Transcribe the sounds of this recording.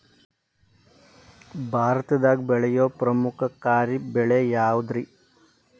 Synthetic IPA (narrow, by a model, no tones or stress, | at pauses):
bʱaːɾɐt̪ɐd̪aːɡ̚bɛɭɐjoːpɾɐmukʰɐkaːɾibɛɭeːjaːwd̪ɾi